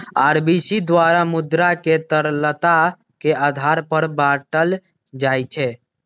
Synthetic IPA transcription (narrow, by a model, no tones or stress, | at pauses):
aɾbisid̪ʋaɾamud̪ɾaket̪əɾlət̪a | kead̪ʱaɾpəɾbaʈəl | d͡ʒajt͡ʃʰɛ